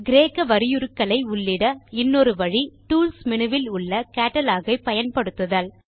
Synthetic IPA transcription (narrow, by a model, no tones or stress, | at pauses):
ɡɪɾeːkːɐʋɐɾɪjʊɾɯkːɐɭɐɪʊɭːɪɽɐɪnːɔɾɯʋɐɻiʈuːlsmɪɳɯʋɪlʊɭːɐkaːʈːɐlaːɣɐɪpɐjɐnpɐɽɯt̪ːɯðɐl